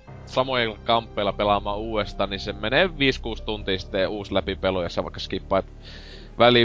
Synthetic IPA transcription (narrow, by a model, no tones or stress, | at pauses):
sɑmojɑkɑmpːeˑilɑpelɑmˑɑːuːest̪ɑːnnisemeneːˑʋʋiːskuːst̪unt̪iːsi̥t̪ːeuːslæpipelojɑ̰sːɑʋɑ̰ˑikːɑskipːˑɑˑt̪ | ʋæli